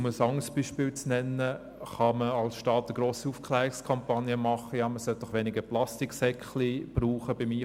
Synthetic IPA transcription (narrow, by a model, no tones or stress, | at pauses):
məsɑŋəsb̥iːʃpɪːlt͡snɛnːə | χɑməɑlsʃtɑːtəɡ̥ɾoːsiuːfkʰlɛːɾɪkskʰɑmpɑnjəmɑχəjɑːməsœlt̚d̥ɔχʋɛnɪɡəplɑstɪksɛkχlib̥ruːχəb̥ɪmiː